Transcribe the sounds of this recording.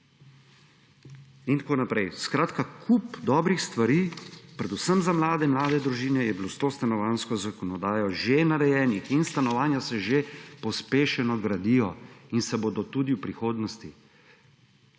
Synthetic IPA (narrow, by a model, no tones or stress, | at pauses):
int̪akoːnapɾɛjskɾaːt̪kakʰupd̪ɔːbɾixst̪ʋaɾipɾɛd̪usəmzamlaːd̪ɛmlaːd̪ɛd̪ɾuʒiːnɛjɛbilost̪oːst̪anɔʋaːnskɔzakɔnɔd̪aːjɔʒenaɾɛjɛːnixinst̪anɔʋaːnjasɛʒepɔspeːʃɛnɔɡɾad̪ijɔinsɛbod̪ɔt̪uːd̪iwpɾixoːd̪nɔst̪i